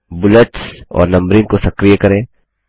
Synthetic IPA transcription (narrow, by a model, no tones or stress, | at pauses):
bʊləʈsɔ̰ːɾnɐ̃mbɾinkosɐkɾijakɐɾẽ